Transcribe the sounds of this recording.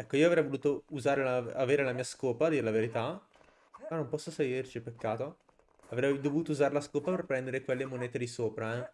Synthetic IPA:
ɛkːoiːoavɾɛjvoluːt̪ouzaːɾelaaveːɾelamiːaskoːpad̪iːɾelaveɾit̪a | manõmpɔsːoseɡirt͡ʃipekːaːt̪o | avɾɛjd̪ovuːt̪ouzaːɾelaskoːpaperpːɾɛnd̪eɾekwelːemoneːt̪ed̪isoːpɾaɛ

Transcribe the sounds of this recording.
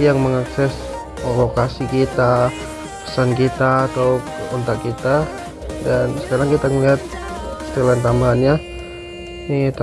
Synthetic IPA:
jaŋməŋaksɛs | lokasikit̪a | pə̥sankit̪aːt̪awɔnt̪akit̪a | dansə̥kaɾaŋkit̪aŋəliɦat̪̚ | st̪əlant̪ambaɦanɲa | niit̪a

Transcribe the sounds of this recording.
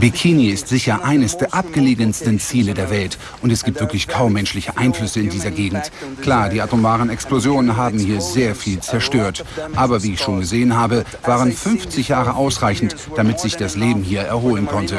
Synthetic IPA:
bikʰiniɪstz̥ɪçɐʔaɪnəsd̥eːɐʔap̚ɡ̥əleːɡənstn̩t͡siːlədeːɐvɛlt | ʔʊntɛsɡ̥iːp̚tv̥ɪɐklɪçkʰaʊmːɛnʃlɪçəʔaɪnflʏsəɪndiːzɐɡeːɡŋ̩t | kl̥aːɐdiːʔatomaːʁənɛksplozjoːnənɦaːbm̩hiːɐzeːɐfiːlt͡sɛɐʃtøːɐtʔaːbɐviːɪçʃoːnɡəzeːənɦaːbə | vaːʁənfʏnft͡sɪçjaːʁəʔaʊsʁaɪçn̩t | d̥amɪtz̥ɪçd̥asleːbm̩ɦiːɐʔɛɐhoːlənkʰɔntə

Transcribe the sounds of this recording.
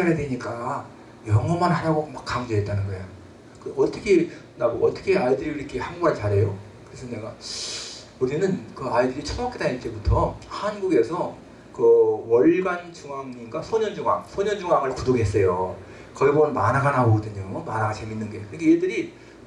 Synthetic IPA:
aɾedweɲik͈a | jʌŋʌmanɦaɾaɡomak͈aŋd͡ʑoɦet̚t͈anɯnɡʌejo | kɯʌt͈ʌkʰe | naɡoʔʌt͈ʌkʰeaidɯɾiɯɾikʰehaŋɡuant͡ɕaɾɦe̞jo | kɯɾesʰʌne̞ɡa | uɾinɯnkɯaidɯɾit͡ɕʰunak͈edaɲiɭt͈e̞butʰʌhanɡuɡe̞sʰʌ | kɯwʌɭɡant͡ɕuŋaŋɲiɡasʰʌɲʌnd͡ʑuŋa̰ŋsʰoɲʌnd͡ʑuŋaŋɯɭkudoɡiɦe̞s͈ʌjo | kʌiboʌnmanaɡanaoɡʌdɯɲomʌmanaɡat͡ɕe̞minːɯnɡe̞kɯɾikʰejedɯɾi

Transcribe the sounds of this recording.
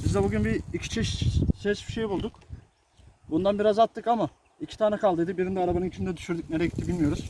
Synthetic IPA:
bizd̪ɛbuɟynbiicʰi̥t͡ʃʰiʃsɛsbi̥ʃe̞jbulˠd̪uk | bund̪anbiɾazat̪ʰːɯkama | icʰi̥t̪ʰaːnɛkʰalˠd̪ɯjd̪ɯbiɾind̪ɛaɾabanɯnit͡ʃʰind̪ɛd̪yʃyɾd̪yc̚neɾɛɟit̪ʰːibilʲmijo̞ɾuz̥

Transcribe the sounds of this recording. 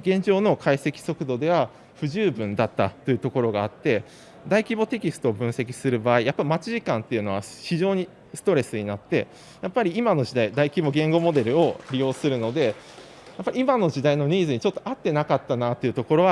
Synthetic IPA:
ɡẽ̞ɲ̟d͡ʑo̞ːno̞kʰaise̞kʲi̥so̞kɯ̟d̪o̞d̪e̞β̞a | ɸɯ̟ʑɨːbɯ̟̃nd̪at̪ːat̪ːo̞jɯ̟t̪o̞ko̞ɾo̞ɡaːt̪ːe̞ | d̪aikʲibo̞t̪e̞kʲisɨ̥t̪o̞ːbɯ̟̃ɰ̃se̞kʲi̥sɨɾɯ̟baːijapːaimat͡ɕiʑikãnt̪ːe̞iɯ̟no̞βaɕiʑo̞ːɲ̟i | sɨ̥t̪o̞ɾe̞sɨɲ̟inat̪ːe̞̰ | japːaɾʲiimano̞ʑid̪aid̪aikʲibo̞ɡẽ̞ŋɡo̞mo̞d̪e̞ɾɯ̟o̞ɾʲijo̞ːsɨɾɯ̟no̞d̪e̞ | japːaɾʲiimano̞d͡ʑid̪aino̞ɲ̟iːzɨɲit͡ɕo̞t̪ːoʔat̪ːe̞nakat̪ːanat̪oiɯ̟t̪o̞ko̞ɾo̞βa

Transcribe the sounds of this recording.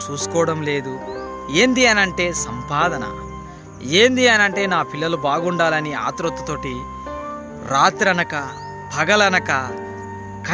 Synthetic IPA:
t͡ʃuːsu̥kɔːɐɽɐmle̞ːd̪u | eːnd̪iɐnɐɳʈe̞ːsɐmpaːd̪ʱɐnɐ̰ | eːnd̪iɐnɐɳʈe̞ːnaːpilːɐlubaːɡuɳɖaːlɐnia̰ːt̪ɾot̪ːut̪o̞ːʈi | ɾaːt̪ɾɐnɐkɐ | bʱɐɡɐlɐnɐkɐ | kɐ

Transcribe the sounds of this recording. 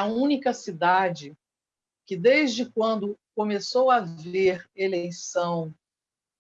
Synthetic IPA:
ɐũnikɐsid̪ad͡ʒɪ | kɪd̪ejzd͡ʒɪkwɐ̃nd̪ʊkomesowɐveɾelejsɐ̃w̃

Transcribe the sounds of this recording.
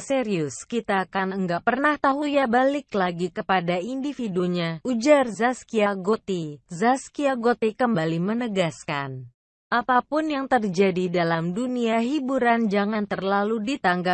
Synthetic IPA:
seɾiʊskit̪aːkanəŋɡaʔpərnaht̪aɦujabalɪklaɡikəpadaindifiduɲaud͡ʒarzaskiaɡot̪izaskiaɡot̪ikəmbalimənəɡaskan | ʔapapʊnjaŋt̪ərd͡ʒadidalamduniaɦibuɾand͡ʒaŋant̪ərlaludit̪aŋɡap

